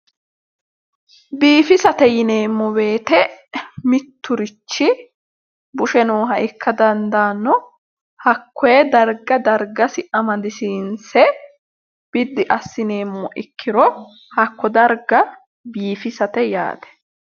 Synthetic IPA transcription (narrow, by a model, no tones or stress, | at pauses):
biːfɪsɐt̪ɛjɪne̞ːmːɔbe̞ːt̪ɛmɪt̪ːʊɾɪt͡ʃːɪ | bʊʃɛnoːɦɐʔɪkːɐd̪ɐnd̪aːnːɔ | hɐkːɔjɛd̪ɐɾɡɐd̪ɐɾɡɐsɪʔɐmɐd̪ɪsiːnsɛ | b̥ɪd̪ːɪʔɐsːɪne̞ːmːɔʔɪkʰːɪɾɔ | hɐkʰːɔd̪ɐɾɡɐ | biːfɪsɐt̪ɛja̰ːd̪ɛ̥